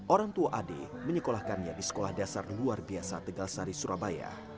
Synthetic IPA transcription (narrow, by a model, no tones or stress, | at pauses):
ʔoɾaŋt̪uaʔadḛməɲəkolahkanɲadisə̥kolahdasarluarbiasat̪əɡalsaɾisuɾʔabaja̰